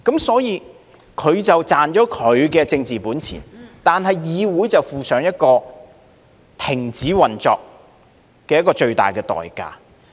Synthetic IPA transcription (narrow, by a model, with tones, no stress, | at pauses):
kɐ˨˥msɔː˨˥jiː˨˧ | kʰɵ˨˧ɥt͡sɐ˨wt͡saː˨nt͡ʃɔː˨˥kʰɵ˨˧ɥkɛː˧t͡sɪ˧ŋt͡siː˨puː˨˥nt͡sʰḭː˨˩nt̪aː˨nɦɐ˨jːiː˨˧wuː˨˥jt͡sɐ˨wfuː˨sœː˨˧ŋjɐ˥t̚kɔː˧ | t̪ʰɪ˨˩ŋt͡siː˨˥wɐ˨nt͡sɔ̰ː˨˧k̚ | kɛː˧jɐ˥t̚kɔː˧t͡ʃɵ˧ɥt̪a̰ː˨jkɛː˧t̪ɔ̰ː˨jka̰ː˧